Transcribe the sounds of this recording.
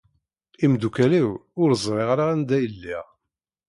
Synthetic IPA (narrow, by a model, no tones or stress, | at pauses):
imd̪ukæliwʊɾzˤɾˤeʁɾaænd̪æjəlːiʁ